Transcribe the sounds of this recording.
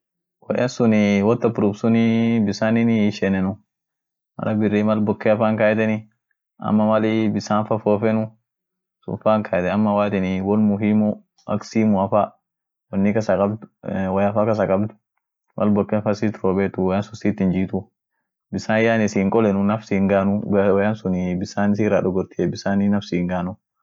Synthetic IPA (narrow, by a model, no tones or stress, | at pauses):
wɔ̰jɐnsʊnɪwɔt̪ːɐpʊɾubsʊnɪbɪsaːnɪnɪʃɛnɛnʊ | mɐ̰ɾɐbɪrːiːmɐlbɔkːɛɐfaːŋkajɛt̪ɛnɪ | ɐ̰mːɐmɐlibɪsaːnfɐfoːfɛnʊ | sʊ̰faːŋkʰɐɛt̪ɛɐmːɐwaːt̪ɛnɪwɔnmʊɦiːmʊ | ɐ̰ksiːmʊɐfaː | wɐnːikɐsɐkʼɐbd̪ʊ̥wɐjɐfaːkɐs̬ɐkʼɐbd̪ʊ̥ | mʔɐ̰lbɔkːɛfɐsiːt̪ɾoːbeːt̪ʊwjaːnsʊsiːt̪ːɪnd͡ʒiːt̪ʊ | bɪsaːnjaːnɪsiːŋkʼɔlɛnʊnɐfsiːŋɡaːnʊwjansʊnibɪsaːnɪs̬iːraːᶑɔɡɔɾt̪iɛbɪsaːninɐfsiːŋɡaːnʊ